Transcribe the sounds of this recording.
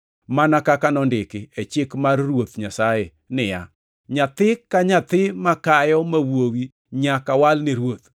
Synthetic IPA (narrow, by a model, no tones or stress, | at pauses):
manakakanɔndɪkɪet͡ʃɪkmarrwot̪ɲasaje | nɪja̰ | ɲat̪ɪkaɲat̪ɪmakajɔmawowi | ɲakawalnɪɾwot̪̚